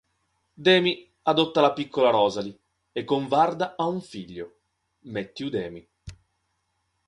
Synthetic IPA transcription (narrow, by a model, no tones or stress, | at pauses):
d̪ɛːmi | ad̪ot̪ːalapikːolaɾɔːzali | ekːoɱvard̪aauɱfiʎːo | met̪ːiud̪ɛːmi